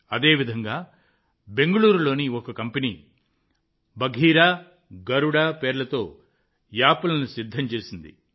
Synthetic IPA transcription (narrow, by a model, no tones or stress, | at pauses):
ɐd̪e̞ːʋid̪ʱɐŋɡaː | be̞ŋɡɐɭuːɾulo̞ːniɔkɐkɐmpɐniː | bɐɡʱiːɾaː | ɡɐɾuɽaːpeːɾlɐt̪o̞ː | jaːpɐlɐnusid̪ʱːɐmt͡ʃe̞ːsind̪ḭ